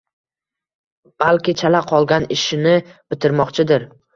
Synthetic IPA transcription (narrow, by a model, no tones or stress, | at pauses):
b̥alkʲɪt͡ʃʰalaqʰɒlˠɡʲanɪʃɪnɪb̥ɪt̪ʰɪɾmɒqt͡ʃʰɪd̪ɪɾ